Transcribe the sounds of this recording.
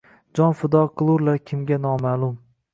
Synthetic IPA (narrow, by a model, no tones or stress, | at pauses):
d͡ʒɒnfɪd̪ɒqʰɨlˠʊɾlaɾkʲʰɪmɡʲanɒmalˠʊm